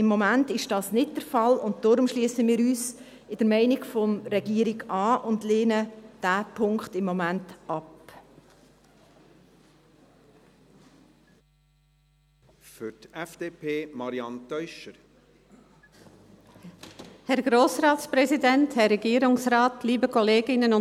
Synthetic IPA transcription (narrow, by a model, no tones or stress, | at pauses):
ɪmːɔmæntɪʃd̥ɑːsnɪt̚d̥əɾfɑlʊnt̚d̥ɔːɾʊmʃliəsəmɪːɾyːs | ɪd̥əɾmɛɪnɪɡfɔmɾɛɡiəɾiɡɑːʔʊndleːnəd̥æːpʰʊŋkχtɪmːɔmæntɑp | fʏɾtɛfd̥eːpʰeːmɑɾiɑnt̪œʏʃəɾ | hɛɾɡɾoːsɾɑːtspɾɛzidɛnthɛrːɛɡiːəɾʊŋsɾɑːtliːbəkʰɔleːɡɪnənʊ